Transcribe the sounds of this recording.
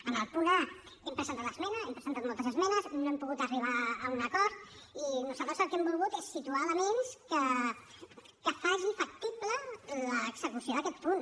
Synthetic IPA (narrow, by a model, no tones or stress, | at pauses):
ənəlˠpuɾa | ɛmpɾəzənt̪at̪əzmɛnəɛmpɾəzənt̪at̪molˠt̪əzəzmɛnəznoempuɣut̪əriβ̞aəunəkɔɾt̪̚inozalt̪ɾəzəlˠkɛmbulˠɣut̪esːit̪ualəmenskə | kəfaʒifək̚t̪iplələːɡzəkusioðəkɛt̪pun